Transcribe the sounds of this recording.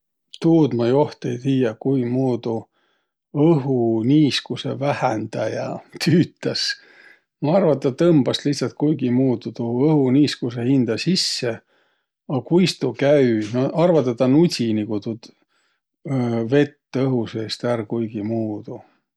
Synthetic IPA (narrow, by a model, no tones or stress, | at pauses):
t̪uːd̪mɑjoht̪ejt̪hiːjɑkujmuːd̪̥u | ɤɦuniːskuse̞̰væhænd̪̥ɑjɑ̰t̪ʰyːt̪ːˑɑs | mɑɑrvɑt̪ːˑɑt̪ɤmb̥ɑsliht̪sɑlt̪̚kujɡimuːd̪ut̪uɤhuniːskuse̞hind̪̥ɑsisːe | ɑkujst̪ukæynoɑrvɑt̪ːˑet̪ːɑnutʲinikut̪ud̪̥ | ve̞t̪ːɤɦuseːst̪ærkujɡimuːd̪̥u